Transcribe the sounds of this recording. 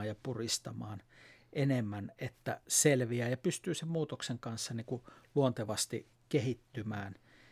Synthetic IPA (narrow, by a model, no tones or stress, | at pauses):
jjɑpurist̪ɑmɑːnʔenemːænet̪ːæ̰selʋiæːjɑpyst̪yːsemmuːt̪okseŋkɑnsːɑniːkuluont̪eʋɑst̪ḭ | kehit̪ːymæːn